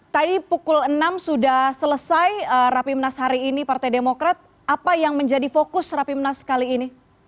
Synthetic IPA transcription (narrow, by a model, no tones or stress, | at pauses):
t̪adipukʊlənamsudahsələsajərapimnashaɾiːnipart̪ajdemokɾat̪̚ | ʔapajaŋməɲd͡ʒadifokʊsrapimnaskaliːni